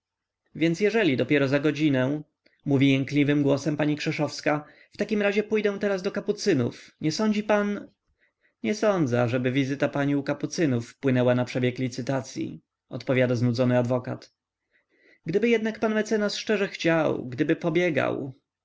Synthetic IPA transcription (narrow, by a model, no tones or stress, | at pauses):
vʲjɛnt̪sʲjɛʐɛlʲid̪ɔpʲjɛɾɔzaɡɔd͡ʑinɛ̃ | muvʲijɛŋklʲivɘmɡwɔsɛmpaɲikʂɛʂɔfska | ft̪akʲimɾaʑɛpujd̪ɛ̃w̃t̪ɛɾazd̪ɔkaput̪sɘnṵfɲɛsɔɲd͡ʑipan | ɲɛsɔnd̪zɛaʐɛbɘvʲizɘt̪apaɲiukaput̪sɘnufːpwɘnɛwanapʂɛbʲjɛklʲit̪sɘt̪at̪sʲjḭ | ɔ̰t̪pɔvʲjad̪aznud̪zɔnɘad̪vɔka̰t̪ | ɡd̪ɘbɘjɛd̪nakpanmɛt̪sɛnasʂt͡ʂɛʐɛxt͡ɕawɡd̪ɘbɘpɔbʲjɛɡa̰w